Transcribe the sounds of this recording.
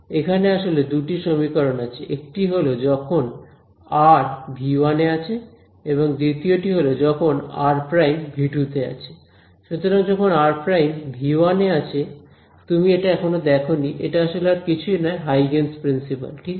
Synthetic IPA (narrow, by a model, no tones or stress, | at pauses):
ekʰaneaʃoled̪uʈiʃomikoɾonat͡ɕʰeʔek̚ʈiɦolod͡ʑɔkʰon | aɾbʱianeat͡ɕʰe | eβoŋd̪it̪ioʈiɦolod͡ʑɔkʰona̰ɾpɾajmbʱiʈut̪ea̰t͡ɕʰe̥ | ʃut̪oɾaŋd͡ʑɔkʰonaɾpɾajmbʱiwaneat͡ɕʰe | t̪umieʈaɛkʰonod̪ɛkʰoniʔḛʈaaʃoleaɾkit͡ɕʰuinɔeɦajɡenspɾinsipa̰lʈi